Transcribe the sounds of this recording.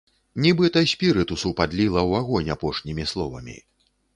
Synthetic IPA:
nʲibɨt̪ɐsʲpʲiɾɨt̪usupad̪lʲilˠɐwaɣɔnʲapɔʂnʲimʲislˠɔvɐ̰mʲḭ

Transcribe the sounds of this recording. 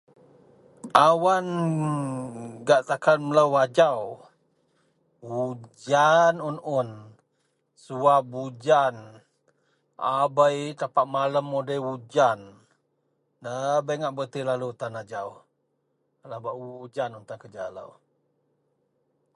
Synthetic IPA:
awan | ɡaʔt̪akanmələwad͡ʒaw | wud͡ʒanunʊn | suabud͡ʒan | a̰bəjt̪apaʔmaləmːodəjwud͡ʒan | dəbəŋaʔbət̪ilalut̪anad͡ʒaw | labaʔud͡ʒanunt̪akəd͡ʒalə̰w

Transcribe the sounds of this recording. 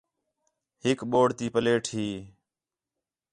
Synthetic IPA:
ɦɪkɓoːɽt̪iːpəleːʈʰhɦiː

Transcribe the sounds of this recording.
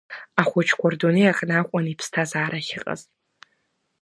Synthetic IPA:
aχʷɔt͡ʃʰkʷʰɔrdoniaqʼnaːkʷʼɔnipʰstʰazaːɾɐxɪqʼɐ̰z

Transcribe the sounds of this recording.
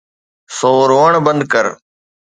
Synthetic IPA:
soːɾoːəɳbənd̪kəɾ

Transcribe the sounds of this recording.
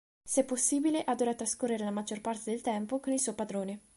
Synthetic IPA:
sɛpːosːiːbileʔad̪oːɾat̪ɾaskorːeɾelamad͡ʒorpart̪ed̪elt̪ɛmpokonilsuopad̪ɾoːne

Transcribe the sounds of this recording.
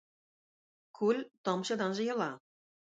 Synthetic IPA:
kulʲt̪ɤ̆mɕɤ̆d̪ɑnʒɤ̆jɤ̆lɑ

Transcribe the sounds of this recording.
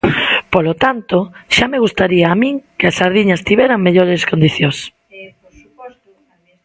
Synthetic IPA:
polot̪ant̪oʃameɣust̪aɾiaːmĩŋkeasaɾðiɲɐst̪iβɛɾaŋmeʎoɾeskond̪iθjos

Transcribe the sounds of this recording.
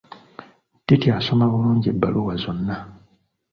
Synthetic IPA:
d̥itjaso̞maβuluːɲɟebːa̰luwazo̞nːa

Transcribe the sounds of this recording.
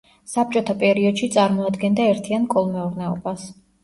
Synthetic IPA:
sap̚t͡ʃʼɔt̪ʰapʼɛɾiɔd̪ʃit̪sʼaɾmɔad̪ɡɛnd̪aɛɾt̪ʰiankʼɔlˠmɛuɾnɛɔbas

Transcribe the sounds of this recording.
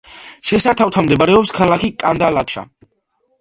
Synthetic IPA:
ʃɛsaɾt̪ʰaft̪ʰamd̪ɛbaɾɛɔpskʰalakʰikʼand̪alakʃa̰

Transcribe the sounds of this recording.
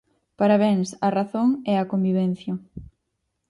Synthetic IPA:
paɾaβ̞ɛŋsɐraθoŋɛɐkombiβɛn̟θjɐ

